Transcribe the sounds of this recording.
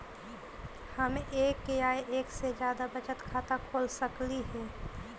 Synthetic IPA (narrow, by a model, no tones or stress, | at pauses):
həmeːkːeaːeʔeːksed͡ʒjaːd̪abət͡ʃət̪kʰaːt̪akʰoːlsəkliɦɛː